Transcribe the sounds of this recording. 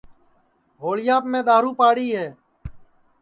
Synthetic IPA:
ɦoːɭjaːpmẽːɗ̪aːɾuːpaːɽiːɦeː

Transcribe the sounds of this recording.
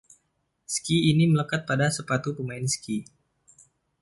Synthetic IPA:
skiːnimələkat̪̚padasəpat̪upəmaɪnski

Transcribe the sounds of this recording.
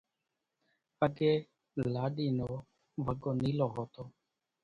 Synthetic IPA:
əɡeː | laːɗiːnoː | ʋəɡoːniːloːɦoːt̪oː

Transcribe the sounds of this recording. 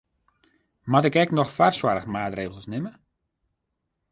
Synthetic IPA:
matɪkɛknɔxfarswaɾəxmaːtreːɣəlˠsnɪmə

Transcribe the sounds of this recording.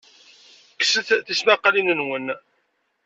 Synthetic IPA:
ksəθθismæqːlinənwən

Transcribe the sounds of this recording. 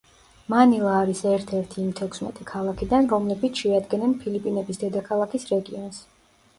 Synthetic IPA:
manilˠaːɾisɛɾt̪ʰɛɾt̪ʰiːmt̪ʰɛkʰsmɛ̰t̪ʼikʰalˠakʰid̪anɾɔmlɛbit̪sʰʃɛad̪ɡɛnɛnpʰilipʼinɛbisd̪ɛd̪akʰalˠakisɾɛɡiɔns

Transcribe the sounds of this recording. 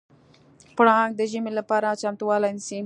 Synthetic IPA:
pʊɽɑŋɡd̪əʒəmelapɑɾat͡ʃamt̪uwɑlajnisi

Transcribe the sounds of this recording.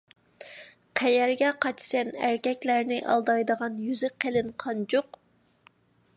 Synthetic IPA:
qʰɛjɛɾɡʲɛqʰɑt͡ʃsɛnæɾkʲɛkʲlæɾnɪʔɑ̰lˠd̪ɑjd̪əʁɑnjyzɪqʰelɪnqʰɑnd͡ʒoq

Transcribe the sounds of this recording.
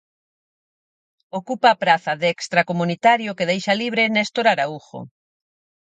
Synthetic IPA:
okupaːpɾaθɐðɛkst̪ɾakomunit̪aɾjʊkeðejʃaliβɾenɛst̪oɾaɾauxo̰

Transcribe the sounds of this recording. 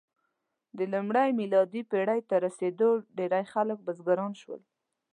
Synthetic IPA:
d̪əlumɽajmilɑd̪ipeɽajt̪aɾased̪oɖeɾajxalək̚bazɡaɾɑnʃwə̰l

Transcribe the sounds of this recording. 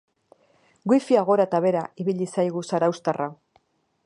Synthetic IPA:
ɡwifiaɣ̞o̞ɾat̪aβe̞ɾaiβiʎisajɣusaɾawst̪arʔa

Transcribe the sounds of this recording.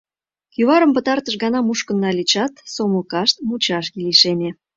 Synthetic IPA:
kyβɑɾəmpə̆t̪ɑrt̪əʃɣɑnɑmuʃkə̆nːɑlit͡ɕɑt̪soməlkɑʃt̪̚mut͡ɕɑʃɡiliʃene

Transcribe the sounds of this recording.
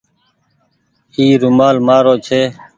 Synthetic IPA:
iːɾʊmaːlmaːɾoːt͡ʃʰeː

